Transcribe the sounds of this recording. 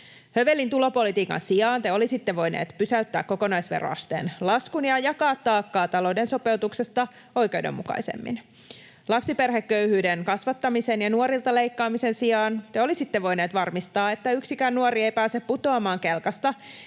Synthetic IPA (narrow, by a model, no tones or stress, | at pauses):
hø̞ʋelːint̪ulo̞po̞lit̪iːkɑ̰nsiɑːnt̪eo̞lisit̪ːeʋo̞jnḛːt̪pysæyt̪ːæ̰ːkko̞ko̞nɑjsʋḛro̰ɑ̰st̪ḛːnlɑskunjɑjɑkɑːt̪ːɑːkːɑːt̪ɑlo̞ːde̞nso̞pe̞ut̪ukse̞st̪ɑ | o̞jk̟e̞udḛmːukɑ̰jsḛmːḭn | lɑpsiperɦekːø̞yhyːdenkɑsʋɑt̪ːɑmisenjɑnuoɾilt̪ɑle̞jkːɑːmise̞nsiɑːnt̪eo̞lisit̪ːeʋo̞jne̞ːt̪ʋɑrmist̪ɑːe̞t̪ːæyksikænːuoriejpæːsepput̪oɑmɑːŋkelkɑst̪ɑ